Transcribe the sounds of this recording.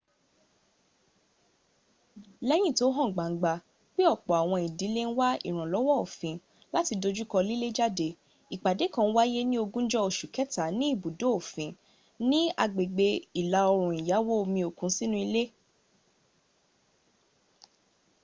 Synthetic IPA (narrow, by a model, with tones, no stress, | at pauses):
lɛ˦j̃ĩ˦˨to˨˦ɦɔ̃˦˨ɡ͡ba˨ŋ̩˨˦ɡ͡ba˧ | k͡pe˦ɔ˦˨k͡pɔ˨a˨w̃ɔ̃˧i˨di˨˦le˦n̩˦wa˦ḭ˦˨ɾ̃ã˨lɔ˨˦wɔ˦o˨fĩ˨˦ | la˦ti˧do˧d͡ʒu˦kɔ˧li˦le˦d͡ʒa˦de˧ | i˨k͡pa˨de˨˦kã˧˦wa˦je˦nĩ˦o˧ɡũ˦d͡ʒɔ˦o˨ʃu˨kɛ˨˦ta˨˦nĩ˦i˦˨bu˨do˨˦o˨fĩ˨˦ | nĩ˦a˧ɡ͡be˨ɡ͡be˧i˨la˧˦ɔ˧ɾ̃ũ˨i˨ja˨˦wo˦o˧mĩ˧o˨kũ˨˦si˦nũ˦i˧le˦